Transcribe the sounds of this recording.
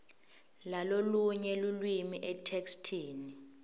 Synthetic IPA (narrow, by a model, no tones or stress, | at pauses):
laloluɲɛlulwimiʔɛtʰekstʰiːni